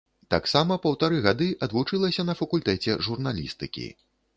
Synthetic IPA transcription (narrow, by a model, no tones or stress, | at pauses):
t̪a̰ksamɐpɐwt̪aɾɨɣad̪ɨʔɐd̪vut͡ʂɨlˠɐsʲɐnɐfɐkulʲt̪ɛt͡sʲɛ̰ʐurnalʲḭst̪ɨ̰kʲḭ